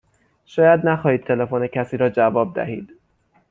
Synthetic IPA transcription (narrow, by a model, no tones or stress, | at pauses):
ʃɒːjæd̪næxɒːhiːd̪̚t̪ʰe̞lefonecʰæsiːɾɒːd͡ʒævɒːb̚d̪æ̰hḭːd̪̥